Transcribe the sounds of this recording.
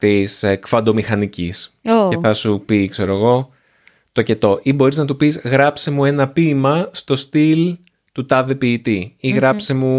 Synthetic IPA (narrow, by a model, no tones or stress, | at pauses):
t̪iskfɐd̪o̞mixɐnicisoeθɐsupikse̞ɾo̞eɣo̞ | t̪o̞ce̞t̪o̞ʔibo̞ɾiznɐt̪upizɣɾɐpsemue̞nɐpimɐst̪o̞st̪il | t̪ut̪ɐðepiːt̪iiɣɾɐpsemu